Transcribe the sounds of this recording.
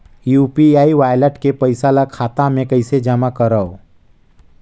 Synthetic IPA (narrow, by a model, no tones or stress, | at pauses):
juːpiaːiʋaːjləʈkepəɪsalakʰaːt̪amẽkəɪsed͡ʒamakəɾəo